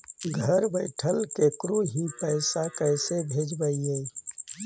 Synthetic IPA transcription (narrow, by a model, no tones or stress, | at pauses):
ɡʱəɾbəɪʈʰəlkekɾuɦipəɪsakəɪsebʱeːd͡ʒbəie